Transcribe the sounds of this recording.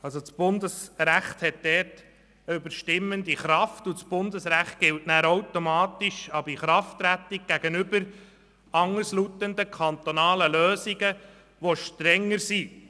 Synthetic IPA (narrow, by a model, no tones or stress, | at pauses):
ɑlsot͡sb̥ʊnd̪əsɾæχt̪hɛt̚d̥ɛːt | əʏbəɾʃtɪmːənd̪iχɾɑftʊt͡sb̥ʊnd̪əsɾæχt̚ɡ̥ɪltnæːɾowtomɑːt̪iʃɑbiχɾɑftːɾæt̪iɡ̚ɡ̥æɡ̥ənʏbəɾ | ɑŋəslut̪ənd̪əkʰɑnt̪onɑːləløːsiɡə | ʋoʃtɾɛŋːəɾsi